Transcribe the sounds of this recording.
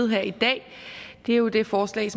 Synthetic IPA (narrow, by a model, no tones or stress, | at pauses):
ð̩ˠɦæɐ̰id̥ɛ̰ː | d̥e̝æɐjo̝d̥e̝fɒːslɛ̰ːɪsɒ̽